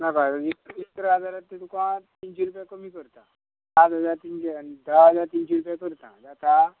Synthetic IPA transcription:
nakat̪aiist̪ɾəad͡zaɾat̪t̪ːit̪ukoãt̪int͡ɕɛɾupjakəmiːkəɾt̪a | ad̪əd͡zaɾt̪int͡ɕed̪aəd͡zaɾt̪int͡ɕɛɾupjakəɾt̪ã̰d͡zat̪a

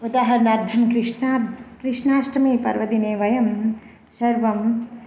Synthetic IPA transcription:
ʋɐd̪aːɦɐɾnɐɾd̪ʱɐnkɾiʂakɾɪʂnaːsʈɐmipɐ̰ɾʋɐd̪ineːʋɐjɐm | sɐɾʋɐm

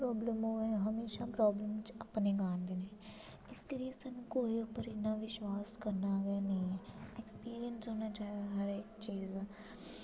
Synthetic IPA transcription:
pɾɔːbləmɦoːɛ̃ɦɐmeːʃapɾɔːbləmt͡ʃɐpneɡaːnd̪ene | ɪskelijesənukoːiʊpəɾɪtnaʋɪʃwaːskɐɾnaɡanɐɦĩɦɛekspiːɾiənsɦoːnat͡ʃaːɦeɡaɦɐɾet͡ʃiːzɛː

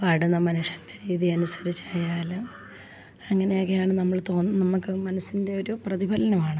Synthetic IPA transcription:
pɐɽunːɐmɐnuʂɐndeɾiːðijɐnusɐ̥ɾit͡ɕːajaːlɨ | ɐŋːɐne̞joːkːejaːɳɨnɐmːɐɭt̪o̞ːnːɨnɐmːukːɨmɐnɐsːinde̞o̞ɾuprɐðibʱɐlɐnɐmaːɳɨ

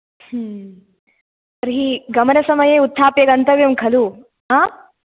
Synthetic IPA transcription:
h | ɐɾɦiɡɐmɐɾɐsɐmɐjeːut̪ʰːaːpjɐɡɐnt̪ɐʋjɐmkʰɐlu | ɦaː

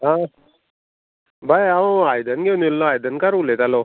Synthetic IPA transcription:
ɦã | bʱajãajd̪ənɡenilːõajd̪ənkaɾulet̪alo

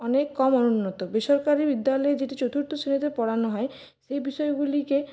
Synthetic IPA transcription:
ɔnekːɔmɔnunːɔt̪obeʃɔɾkaɾibid̪ːalɔed͡ʑeʈit͡ɕowt̪ʰuɾt̪osinit̪epɔɽanoɦɔe | ʃejbiʃɔeɡulike

